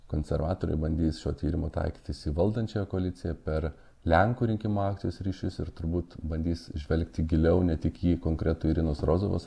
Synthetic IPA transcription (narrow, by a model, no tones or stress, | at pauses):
koːnʲsʲɛɾʋɑːt̪oːɾʲɐ̰ɪbɐnʲd̪ʲiːsʃʲo̰ːt̪ʲiːɾʲɪmoːt̪ɐ̰ɪkʲi̥ːt̪ʲɪsʲiʋɐlˠd̪ɐnʲt͡ʃʲɛjɛkoɐlʲɪt̪sʲɪjɛpʲɛɾ | lʲɛŋkuːɾʲɪŋʲkʲɪmoːɑːk̚tsʲɪjoːsɾʲiːʃʲʊsɪɾt̪ʊɾbuːt̪bɐnʲd̪ʲiːsʒʲʋʲɛlʲkt̪ʲɪɡʲɪlʲɛʊnʲɛt̪ʲɪkjiːkoːŋkɾʲɛt̪uːɪɾʲɪnoːsɾoːzoʋo̰s